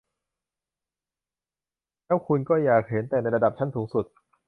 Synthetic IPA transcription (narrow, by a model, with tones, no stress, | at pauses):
lɛː˦˥wkʰu˧nkɔː˥˩jaː˨˩k̚he˩˦nt̪ɛː˨˩na˧jɾa˧da˨˩t͡ɕʰa˥˩nsuː˩˦ŋsu˨˩t̪̚